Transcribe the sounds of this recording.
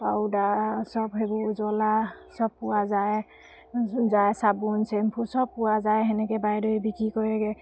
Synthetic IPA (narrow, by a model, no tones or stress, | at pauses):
pawdasɔbɦebɔzɔla | sɔb̚pʊwazaj | zajsabunsɛmpʰusɔb̚pʊwazajɦɛnɛkɛbajdɔibikɹikɔɹɛɡɛ